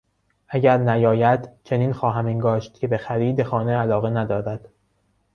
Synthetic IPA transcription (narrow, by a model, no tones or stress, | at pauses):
ʔæɟæɾnæjɒːjæd̪t͡ʃʰe̞niːnxɒːɦæmiŋɡɒːʃt̪̚cʰe̞be̞xæɾiːd̪e̞xɒːneælɒːɣe̞næd̪ɒːɾæd̪̥